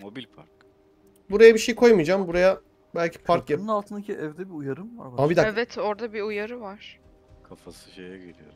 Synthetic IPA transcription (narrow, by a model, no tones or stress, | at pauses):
mobilʲpʰaɾk | buɾajabiʃejkʰo̞jmɯjd͡ʒambuɾaja | bælʲcʰi̥pʰaɾkjanɯnalˠt̪ʰɯnd̪acʰiʔɛvd̪ɛbiujaɾɯmva̰ɾaabid̪aɛvɛt̪o̞ɾd̪abiujaɾɯvaɾ̥ | kʰafasɯ̥ʃḛjɛɟelʲijo̰ɾ